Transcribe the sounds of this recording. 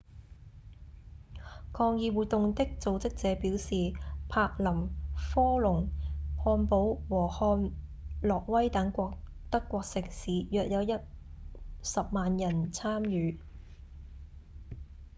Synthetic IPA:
kʰɔː˧ŋjiː˨˧wuː˨t̚t̪ːʊ˨ŋt̪ɪ˥k̚t͡so˨˧wt͡sɪ˥k̚t͡sɛː˨˧˥piː˨˥wsiː˨pʰaː˧k̚lɐ˨˩mfɔː˥lʊ˨˩ŋhɔː˧npo˨˥wwɔː˨˩hɔː˧n | lɔː˨k̚wɐ˥jt̪ɐ˨˥ŋkʷɔː˧k̚ | t̪ɐ˥kʷːɔː˧k̚sɪ˨k̚siː˨˥jœː˨k̚jɐ˨˧wjɐ˥t̚ | sɐ˨p̚maː˨njɐ˨˩nt͡sʰaː˥mjyː˨˧

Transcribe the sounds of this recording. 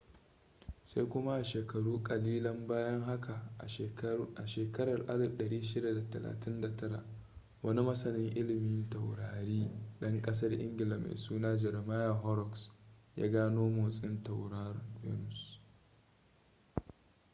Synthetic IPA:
sa˦jkʷʊ˦ma˦ʔa˨ʃeː˨kɐ˨ɽuː˦kʼɐ˨liː˦lɐ˦mbaː˦jɐ˦ŋɦa˦kʰa˨ʔa̰˨ʃeː˨kɐ˦ɾɐ˨rʔa˦lɗɐ˨ɽiː˦ʃɪ˦da˨da˨tɐ˨la̰ː˨tɪ˦nda˨tʰɐ˦ɽa̰˨ʔ | wɐ˦ni˦mɐ˦sɐ˨nɪ˦ŋʔɪ˦lɪ˨mɪ˦ntɐ˨wɽaː˨ɾiː˦ɗɐ˦ŋkʼɐ˦s̬ɐ˦rʔɪ̰˦ŋɡʲɪ˨lɐ˨mʔḛ˨suː˦naː˦d͡ʒɛ˨rma˦ja˨ɦɔ˦ɾɔ˨ksja̰ː˦ɡaː˦noː˦mo˨sʼɪ˦nta˨wɾaː˦ɾɐ˨vɛ̰˦nʊ˨s

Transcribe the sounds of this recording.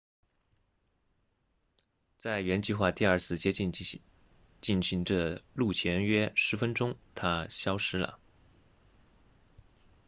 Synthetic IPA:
t͡sa˥˩ɪɥɛ˧˥nt͡ɕi˥˧xwa˥˧t̪i˥˧ɐ˞˥˧t͡sʰɹ̩˥˩t͡ɕjɛ˥˧ | t͡ɕi˥˩nɕi˧˥ŋʈ͡ʂə˥˧lu˥˩t͡ɕʰjɛ˧˥nɥɛ˥ʂɻ̩˧˥fə˥nʈ͡ʂʊ˥ŋt̪ʰa˥ɕjɑ˥ʊʂɻ̩˥lə̰˨˩

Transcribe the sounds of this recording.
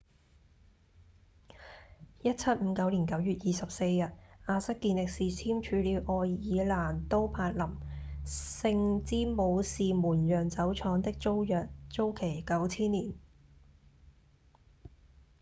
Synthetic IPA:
jɐ˥t̚t͡sʰɐ˥t̚m̩ː˨˧˦kɐ˨˧˥wli˨˩nkɐ˨˥wjyː˨t̚jiː˨sɐ˨p̚se˧jːɐ˨t̚ʔaː˧sɐ˥kːiː˧nlɪ˨k̚siː˨t͡sʰiː˥mt͡ʃʰyː˨˥liː˨˧wʔɔː˧jjiː˨˧laː˨˩nt̪o˥wpʰaː˧t̚lɐ˨˩m | sɪ˧ŋt͡siː˥mo˨˧wsiː˨muː˨˩njœː˨˩ŋt͡sɐ˨˥wt͡ʃʰɔː˨˥ŋt̪ɪ˥k̚t͡so˥wjœː˨k̚t͡so˥wkʰe˨˩jkɐ˨˥wt͡sʰiː˥nliː˨˩n

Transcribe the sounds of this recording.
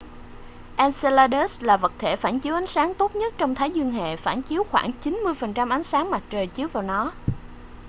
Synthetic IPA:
ʔɛː˧nse˧laː˧ɗe˦˥slaː˨˩və˨˩t̚t̪ʰe˧˩faː˧˩nt͡ɕi˨˦əwʔa˨˦jŋ̟saː˨˦ŋt̪o˦˥t̚ɲə˦˥t̚t͡ɕɔ˧wŋ͡mt̪ʰaː˨˦jzwi˧əŋɦḛ˧˨faː˧˩nt͡ɕi˨˦əwxwaː˧˩ŋt͡ɕi˨˦nmɨ˧əjfə˨˩nt͡ɕa˧mʔa˨˦jŋ̟saː˨˦ŋma˨˩t̚t͡ɕəː˨˩jt͡ɕi˨˦əwvaː˨˩wnɔ˨˦

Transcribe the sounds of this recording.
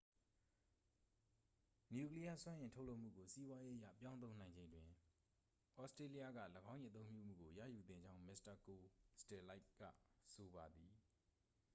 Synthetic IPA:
nju˦˨kli˦ja˦swã˦ʔɪ̃˨ntʰo˦ʔlo˦ʊʔm̥ṵ˦˨ɡo˨si˦bwa˦je˦ʔə˦ja̰˦˨pjã˦ʊ̃t̪̬õ˦ʊnã˨ɪ̃ɲd͡ʑẽ˨ɪ̃ndwɪ̃˨ | ʔɔ˦stɹe˦li˦ja˦˨ɡä̰˦˨ləɡã˦jʔḭ˦˨ət̪õ˦ʊ̃mpju˦˨m̥ṵ˦˨ɡo˨jä̰˦˨ju˨d̪ɪ̰̃˦˨ɲd͡ʑã˦ʊ̃mɪ˦˨sta˨ko˨stɛ˨la˦ɪkːa̰˦˨so˨ba˨d̪i˨

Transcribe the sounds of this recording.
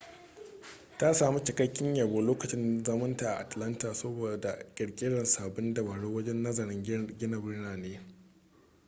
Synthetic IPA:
ta˦saː˨mi˦t͡ʃɪ˨kɐ˦kʲːɪ˦ɲja˨boː˨loː˦kɐ˨t͡ʃɪ˦nzɐ˦mɐ˦ntaː˨ʔa˨ʔa˨tlɐ˦ntaː˨so˦boː˨da˨kʲʼɐ˨ɽkʲʼɪ˦dɐ˨nsaː˨bɪ˦ndɐ˨ba˨ɽo˦wɐ˦d͡ʒɛ˦nːɐ˦zɐ˨ɽɪ˦ŋɡʲɪ˦nɐ˨bɪ˦ɽnaː˨neː˦

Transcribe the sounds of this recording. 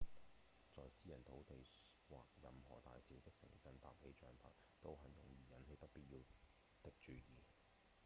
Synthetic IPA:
t͡sɔː˨jsiː˥jɐ˨˩nt̪ʰo˨˥wt̪e˨jwaː˨k̚jɐ˨mɦɔ̰ː˨˩t̪a̰ː˨jsiː˨˥wt̪ɪ˥k̚sɪ̰˨˩ŋt͡sɐ˧nt̪a̰ː˨p̚he˨˥jt͡ʃœː˨˧ŋpʰa̰˨˥k | t̪o˥wɦɐ˨˥njʊ̰˨˩ŋjiː˨˩jɐ˨˥nhe˨˧jpɐ˥t̚piː˥t̚jiː˧w | t̪ɪ˨k̚t͡ʃyː˨jiː˨˧

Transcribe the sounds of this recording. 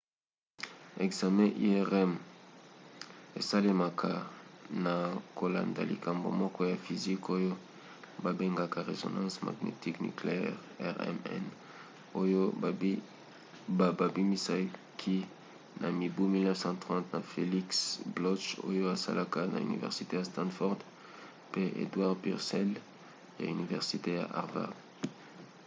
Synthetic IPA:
e˨kza˨mɛ̃˦ʔḭ˦ɛ˦ʁɛ˦m | e˨sa˦le˦ma˨kʰa˨na˨ko˨la̰˨nda̰˨lḭ˨ka˨mbo̰˨mɔ˦kɔ˦ja˨fi˨zi˦ko˦jo˦ | ba˨be˦ŋɡa˨ka˨ʁe˨zo̰˨nɑ̃˦sma̰˨ɡnḛ˨ti˦kny̰˨kle˨ɛ̰˦ʁ | ɛ̰ʁɛ̰˦mɛ̰˦n | o˦jo˦ | a˨ba˨bi˦mi˦sa˦ | kʰi˦ | na˨mi˨bu˦mi˦lnɛ˦fsɑ̃˦tʁɑ̃˦tna˨fe˨li˦ksblɔ˦ʃo̰˦jo˦a˨sa̰˦lʔa˦ka˦na̰˨y̰˨nḭ˨vɛ̰˨ʁsi˨te˦ja˨stɑ̃˦dfɔ˦ʁd | pe˦ʔḛ˨dwa˦ʁpḭ˨ʁsɛ˦l | ja̰˨y˨ni˨vɛ̰˨ʁsi˨te˦ja̰˨ʔa̰˨ʁva̰˨ʁd

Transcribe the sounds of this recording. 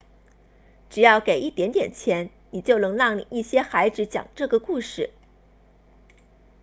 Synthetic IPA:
ʈ͡ʂɻ̩˨˩jɑ˥˩ʊke˨˩ɪʔi˥˩t̪jɛ˧˥nt̪jɛ̰˨˩nt͡ɕʰjɛ˧˥n | ni˨˩t͡ɕjo˥˩ʊnɤ˧˥ŋlɑ˥˩ŋi˥˩ɕjɛ˥xa˧˥ɪʈ͡ʂɻ̩˧˥t͡ɕjɑ̰˨˩ŋʈ͡ʂɤ˥˩ɡə˩ku˥˧ʂɻ̩˥˩

